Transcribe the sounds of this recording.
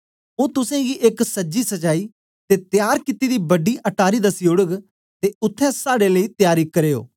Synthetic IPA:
ũːt̪ʊsɛ̃ɡiʔeksɐd͡ʒisɐt͡ʃaːiː | t̪et̪ɪjaːɾkɪt̪ːid̪iːbɐɖiʔɐʈaːɾiːd̪ɐsiʊɽəɡ | t̪eʊt̪ʰːɛ̃saːɽeləiːt̪jaːɾiːkɐɾeːo̰ː

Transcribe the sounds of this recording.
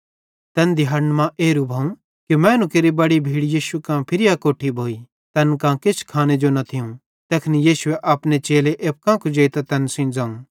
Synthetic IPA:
t̪ɛnd̪ɪjaːɾnmãʔeːɾubʱaːũ | kimɛ̃ːnũkeɾibɐɽibʱiːɽjiːʃukãpʰɪɾɪjakoːʈʰibʱoːi | t̪ɛnkãkɪt͡ʃʰkʰaːned͡ʒonɐt̪ʰɪjũ | t̪ɛːkʰnijiːsʊeʔɐːpnet͡ʃeːleʔeːp̚kãkud͡ʒeːit̪at̪ɐnsɪ̃nd͡zãːũ

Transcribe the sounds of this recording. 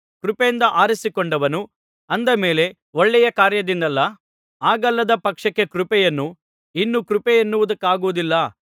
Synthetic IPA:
kɾupeːnd̪ɐʔaːɾisikɔɳɖɐʋɐnu | ɐnd̪ɐme̞ːle̞ | ɔɭːɛjɐkaːɾjɐd̪ind̪ɐlːɐ | aːɡɐlːɐd̪ɐpɐkʂɐkːe̞kɾupɛjɐnːu | inːukɾupɛjenːuʋud̪ɐkːaːɡuʋud̪ilːɐ

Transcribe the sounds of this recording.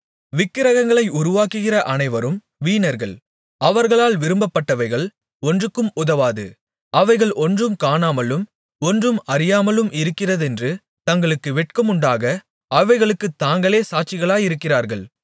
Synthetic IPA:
ʋɪkːɪɾɐɣɐŋɡɐɭɐɪʊɾʊʋaːkɯɣɪrɐʔɐnɐɪʋɐɾɯm | ʋiːnɐɾɣɐɭ | ɐʋɐɾɣɐɭaːlʋɪɾɯmbɐpːɐʈːɐʋɐɪɣɐɭ | ɔndrɯkːɯmʊðɐʋaːðɯ̰ | ʔɐʋɐɪɣɐɭʔɔndrɯmkaːnaːmɐlɯm | ɔndrɯmɐɾɪjaːmɐlɯmɪɾɯkːɪrɐðɛndrɯ | t̪ɐŋɡɐɭɯkːɯʋɛʈ̚kɐmʊɳɖaːɣɐ | ɐʋɐɪɣɐɭɯkːɯt̪ːaːŋɡɐɭeːsaːʈ̚t͡ʃɪɣɐɭaːjɪɾɯkːɪraːɾɣɐɭ

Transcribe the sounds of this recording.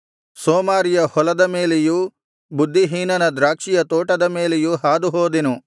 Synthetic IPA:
soːmaːɾijɐhɔlɐd̪ɐme̞ːleju | bud̪ʱːiɦiːnɐnɐd̪ɾaːkʂijɐt̪oːʈɐd̪ɐme̞ːlejuɦaːd̪uɦoːd̪inu

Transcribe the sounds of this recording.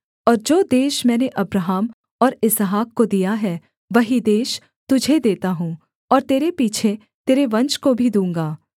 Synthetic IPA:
ɔːɾd͡ʒoːd̪eːʃmɛ̃ːneʔɐbɾaɦaːm | ɔːɾɪsɦaːkːod̪ijaɦɛ | ʋɐɦid̪eːʃ | t̪ʊd͡ʒʱed̪eːt̪aɦũː | ɔːɾt̪eːɾepiːt͡ʃʰe | t̪eːɾeʋɐ̃nt͡ʃkobʱid̪ũːŋ̆ɡaː

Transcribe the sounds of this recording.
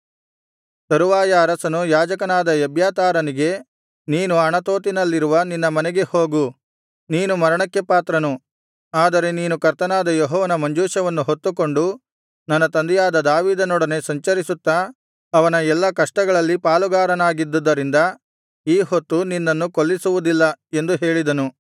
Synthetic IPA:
sɐɾuʋaːjɐːɾɐsɐnujaːd͡ʒɐkɐnaːd̪ɐɐbʱjaːt̪aːɾɐniɡe̞ | niːnuɐɳɐt̪oːt̪̬inɐlːiɾuʋɐninːɐmɐnɛɡe̞ho̞ːɡu | niːnumɐɾɐɳɐkːepaːt̪ɾɐnu | aːd̪ɐɾe̞niːnukɐɾt̪ɐnaːd̪ɐjɔɦɔːʋɐnɐmɐɲd͡ʒuːʃɐʋɐnːuɦot̪ːuko̞ɳɖu | nɐnːɐt̪ɐnd̪ɛjaːd̪ɐd̪aːʋiːd̪ɐnɔɽɐne̞sɐɲt͡ʃɐɾisut̪ːa | ɐʋɐnɐɛlːɐkɐʂʈɐɡɐɭɐlːipaːluɡaːɾɐnaːɡid̪ːud̪ːɐɾind̪ɐ | iːɦo̞t̪ːuninːɐnːukoɭːisuʋud̪ilːɐe̞nd̪uɦe̞ːɭid̪ɐnu

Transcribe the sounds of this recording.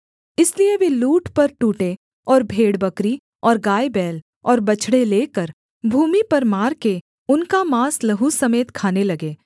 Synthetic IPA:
ɪslieʋeluːʈpɐɾʈuːʈe | ɔːɾbʱeːɽbɐkɾi | ɔːɾɡaːebɛːl | ɔːɾbɐt͡ʃɽeleːkəɾ | bʱuːmipɐɾmaːɾke | ʊnkamaːslɐɦusɐmeːt̪kʰaːnelɐɡeː

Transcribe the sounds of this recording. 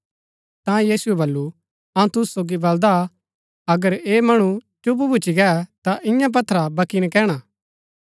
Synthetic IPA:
t̪ãjiːsʊɛbɐlːu | ɐũt̪ʊssoːɡibɐld̪a | ɐɡəɾeːmɐɽ̃ut͡ʃʊp̬bʱʊt͡ʃiɡɛt̪aʔɪ̃jãp̬ɐt̪ʰːɾabɐkinɛkɛːɽ̃a

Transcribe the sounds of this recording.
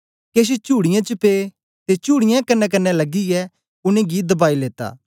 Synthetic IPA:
keːʃ̬et͡ʃuːɽɪjãt͡ʃəpe | t̪et͡ʃuːɽɪjãkɐnːɛk̬ɐnːɛlɐɡiɛ | ʊnẽɡid̪ɐbaːileːt̪a̰ː

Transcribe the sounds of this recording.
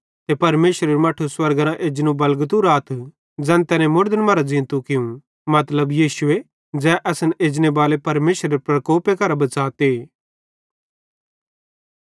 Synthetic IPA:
t̪epɐɾmeːʃɾeɾemɐːʈʰuswɐɾɡɾãʔeːd͡ʒnũbɐlɡət̪ũɾaːt̪ʰ | d͡zɛ̃ːnt̪ɛːnẽmʊɾd̪ənmɐɾad͡zɪ̃ːnt̪ũkɪũ | mɐt̪ləbjiːʃʊe | d͡ʒɛːʔɐsəneːd͡ʒnebaːlepɐɾmeːʃɾeɾepɾɐkoːpekɐɾabɐt͡saːt̪eː

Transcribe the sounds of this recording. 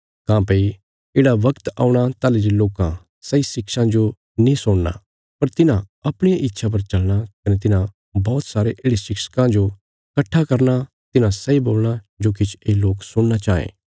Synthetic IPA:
kãːpei | eːɽaʋɐkt̪a̰ːuɽ̃at̪aːleɾeloːkã | sɐisɪkʃãd͡ʒo | nĩsʊɽna̰ | pɐɾt̪ɪnãɐpɽ̃ijaʔɪt̪ːʃʰap̬ɐɾt͡ʃɐlɽ̃akɐnet̪ɪnã | bɔːt̪saːɾeʔeːɽesɪkʃə̥kãd͡ʒo | kɐʈʰːakɐɾna | t̪ɪnãsɐiboːlɽ̃a | d͡ʒoːkit͡ʃʰeːloːksʊɽ̃nat͡ʃaːḛ̃ː

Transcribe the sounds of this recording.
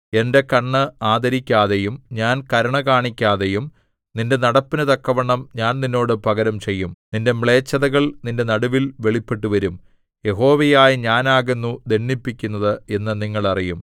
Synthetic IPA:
e̞nde̞kɐɳːɨaːd̪ɐɾikʲːaːðejumɲaːnkɐɾɐɳɐkaːɳikʲːaːðe̞jum | ninde̞nɐɽɐpːinɨt̪ɐkːɐʋɐɳːɐmɲaːnninːo̞ːɽɨpɐɣɐɾɐmt͡ɕe̞jːumninde̞mɭe̞ːt͡ɕːɐðɐɣɐɭninde̞nɐɽuʋilʋe̞ɭipːe̞ʈːuʋɐɾum | je̞ɦo̞ːʋejaːjiɲaːnaːɣenːud̪e̞ɳːipːikʲːunːɐðɨenːɨniŋːɐɭɐrijum

